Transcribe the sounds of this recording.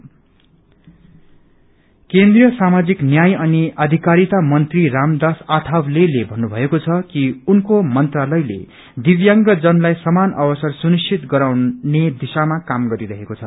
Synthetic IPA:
kend̪rijʌsamad͡ziknjajʌniʌd̪ʱikaɾit̪amʌnt̪riramd̪asat̪ʰawlelebʱʌnːubʱʌekot͡sʰʌkiunkomʌnt̪ralʌjlḛ | d̪ibjaŋɡʌd͡zʌnlajsʌmanʌbʌsʌrsunist͡ʃʰit̪ɡʌɾawned̪isamakamɡʌɾiɾʌɦekot͡sʰʌ

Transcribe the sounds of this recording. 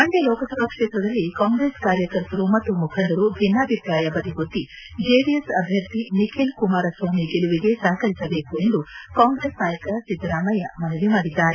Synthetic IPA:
mɐɳɖelɔːkɐsɐɾɐːkʂeːt̪ɾɐd̪ɐlːikaːŋɡɾe̞ːskaːɾjɐkɐɾt̪ɐɾumɐt̪ːumukʰɐnd̪ɐɾubʱinːaːbʱipɾaːjɐbɐd̪ʱiɡot̪ːi | d͡ʒeːɖiesɐbʱjɐɾt̪inikʰelkumaːɾɐsʋoːmiɡeluʋiɡe̞sɐɦɐkɐɾisɐbe̞ːkue̞nd̪ukaːŋɡɾe̞ːsnaːjɐkɐsid̪ɾaːmɐjɐmɐnɐʋimaːɽid̪ːaːɾe

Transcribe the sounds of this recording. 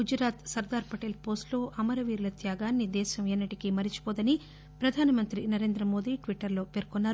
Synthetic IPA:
ɡud͡ʒɾaːt̪sɐɾd̪aːɾpɐʈeːlpo̞ːsʈlo̞ːʔɐmɐɾɐʋiːɾlɐt̪jaːɡaːnːid̪ɛːʃɐmenːɐʈikimɐɾit͡ʃi̥poːd̪ɐni | pɾɐd̪ʱaːnɐmɐnt̪ɾinɐɾe̞ːnd̪ɾɐmo̞ːd̪iːʈʋiʈːɐɾlo̞ːpeːɾkonːaːɾu

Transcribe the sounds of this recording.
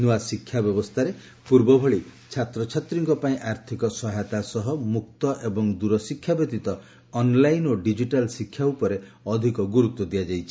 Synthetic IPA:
nuwasikʰːjabjɔbɔst̪ʰaɾe | puɾbɔbʱɔɭit͡ʃʰat̪ɾɔt͡ʃʰat̪ɾiŋkɔpaĩʔaɾt̪ʰikɔsɔɦajt̪asɔɦɔmuk̚t̪ɔʔebɔŋd̪uɾɔsikʰjabɔt̪it̪ɔː | nlajnoɖid͡ʒiʈalsikʰːjaupɔɾe | ɔd̪ʱikɔɡuɾut̪ːɔd̪ijad͡ʒajt͡ʃʰi

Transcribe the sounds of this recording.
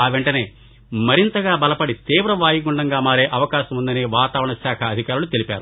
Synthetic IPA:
aːʋeɳʈɐne̞ː | mɐɾint̪ɐɡaːbɐlɐpɐɽit̪iːʋɾɐʋaːjiɡuɳɖɐŋɡaːmaːɾeːʔɐʋɐkaːʃɐmund̪ɐneːʋaːt̪aːʋɾɐɳɐsaːkʰɐːd̪ʱikaːɾulut̪e̞lipaːɾu

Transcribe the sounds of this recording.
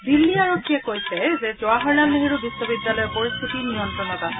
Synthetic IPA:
d̪ilːiaɹokʰːiekojsʰɛzezoaɦɔɹːalleɦeɾubisːobid̪ːalɔjepoɹist̪ʰit̪inijɔnt̪ɾɔnɔt̪a

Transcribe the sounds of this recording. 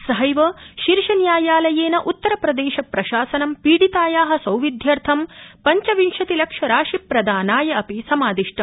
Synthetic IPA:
sɐɦɐjʋɐʃiɾʃɐnjaːjaːlɐjeːnɐʔut̪ːɐɾɐpɾɐd̪eːʃɐpɾɐʃaːsɐnɐmpiːɽit̪aːjaːɦɐ̆sɐwʋid̪ʱjɐɾt̪ʰɐmpɐɲt͡ʃɐʋinʃɐt̪ilɐkʂɐɾaːʃipɾɐd̪aːnaːjɐɐpisɐmaːd̪iʂʈʰɐ

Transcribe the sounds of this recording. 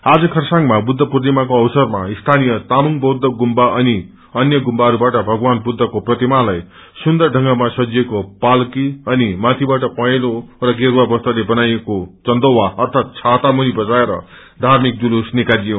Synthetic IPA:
ad͡zʌkʰʌrsaŋmabud̪ʱːʌprʌt̪̬imakoʌwsʌrmaist̪ʰanijʌt̪amuŋbʌwd̪ːʌɡumbaʔʌni | ʌnjʌɡumbaɾubaʈʌbʱʌɡwanbud̪ʱːʌkoprʌt̪imalaj | sund̪ʌrɖʱʌ̃ŋɡamasʌd͡zijekopalkiʌnimat̪ʰibaʈʌpʌjlorʌɡeɾwabʌst̪ʌlebʌnajekot͡sʌnd̪owaʌrt̪ʰat̪̚t͡sʰat̪amunibʌd͡zaeɾʌ̰ | d̪ʱarmik̚d̪ulusnikad͡zijõ

